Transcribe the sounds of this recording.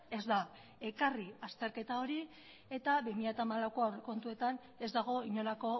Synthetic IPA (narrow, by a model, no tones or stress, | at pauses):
e̞zd̪a | e̞kariast̪e̞ɾke̞t̪ao̞ɾi | e̞t̪aβimiʎat̪amalawko̞awreko̞nt̪ue̞t̪an | e̞zd̪aɣ̞o̞iɲo̞lako̞